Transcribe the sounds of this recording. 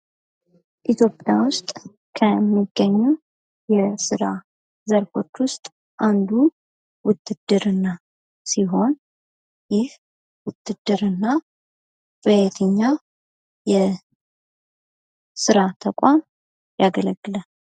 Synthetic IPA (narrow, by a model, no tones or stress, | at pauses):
ʔit̪ʰjo̞pʼjawʊst̪ʼ | kʰəmːiɡːəɲːuw | jɛsɨɾa | zəɾfo̞t͡ʃːwʊst̪ʼ | ʔand̪u | wʊt̪ːɨd̪̥ːɨɾɨnːa | siɦo̞n | jɪh | wʊt̪ːɨd̪ːɨɾɨnːa | bəjet̪ʰɨɲːa | jɛ | sɨɾat̪ʰəkʷʼam | jaɡələɡːɨlən